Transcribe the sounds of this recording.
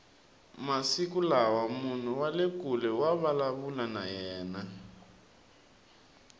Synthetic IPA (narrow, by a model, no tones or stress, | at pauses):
masikulawamun̤uwalekʼulɛwaβalaβulanajɛːna